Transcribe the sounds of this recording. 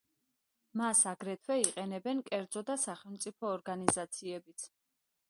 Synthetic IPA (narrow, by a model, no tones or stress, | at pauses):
masaɡɾɛt̪ʰwɛiqʼɛnɛbɛnkʼɛɾd̪zɔd̪asaχɛlˠmt̪sʼipʰɔːɾɡanizat̪sʰiɛbit̪sʰ